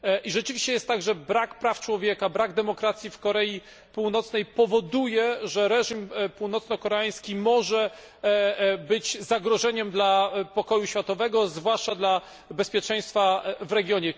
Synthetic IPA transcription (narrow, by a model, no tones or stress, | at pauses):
ʔiʐɛt͡ʂɘviɕt͡ɕɛjɛst̪t̪ːaɡʐɛbɾakpɾaft͡ʂwɔvʲjɛkabɾaɡd̪ɛmɔkɾat̪sʲjifkɔɾɛi | puwnɔt̪snɛjpɔvɔd̪ujɛʐɛɾɛʐimpuwnɔt̪snɔkɔɾɛaj̃skʲimɔʐɛ | bɘd͡ʑzaɡɾɔʐɛɲɛmd̪lapɔkɔjuɕfʲjat̪ɔvɛɡɔzvwaʂt͡ʂad̪la | bɛspʲjɛt͡ʂɛ̃j̃st̪favɾɛɡʲjɔɲɛ